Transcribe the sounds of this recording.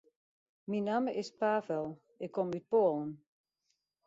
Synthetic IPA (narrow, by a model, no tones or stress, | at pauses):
minaməʔɪspaːfɛlˠ | ɪkʰːɔmyt̚poːlˠən